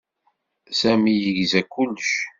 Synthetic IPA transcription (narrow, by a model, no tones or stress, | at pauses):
sæmijəʝzækːʊlːəʃ